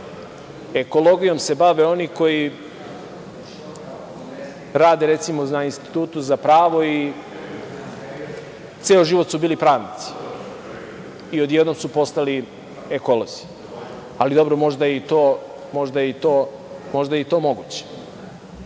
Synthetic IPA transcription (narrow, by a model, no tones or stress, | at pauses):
e̞ko̞lˠo̞ɡijo̞mse̞baʋe̞o̞niko̞ji | ɾaːd̪e̞ɾe̞t̪simonainst̪i̥t̪uːt̪uzapɾaːʋo̞i | t̪seːoʒiʋo̞t̪subiːlipɾaːʋnit̪si̥ | io̞d̪jed̪nomsupo̞st̪ali | eko̞lˠozi̥ | alid̪o̞bɾomo̞ʒd̪ajeit̪oː | mo̞ʒd̪ajeit̪o̞ː | mo̞ʒd̪ajit̪o̞ːmo̞ɡut͡ɕe̥